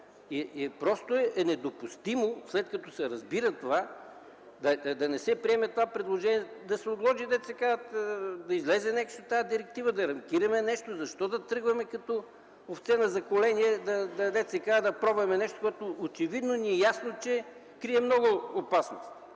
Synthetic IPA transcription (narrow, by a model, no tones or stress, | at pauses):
iɛpɾɔst̪oɛɛnɛd̪opʊst̪imoslɛt̪kɐt̪ɔsɛɾɐzbiɾɐt̪ova | d̪ɐd̪ɐnɛsɛpɾiɛmɛt̪ovapɾɛd̪lˠoʒɛniɛd̪ɐsɛod̪lˠɔʒid̪ɛt̪sɛkaət̪d̪ɐizlɛzɛnɛksot̪ːajad̪iɾɛk̚t̪ivəd̪ɐɾɐmkʲiɾɐmɛnɛʃt̪ozɐʃt̪ɔd̪ɐt̪ɾɤɡvɐmɛkɐt̪ɔ | oft̪sɛnɐzɐkolɛniɛd̪ɐd̪ɐd̪ɛt̪sɛkad̪ɐpɾɔbɛmɛnɛʃt̪o̥koɛt̪oːt͡ʃɛvid̪noniɛjasnot͡ʃɛ | kɾiɛmnɔɡʊːpasno̰st̪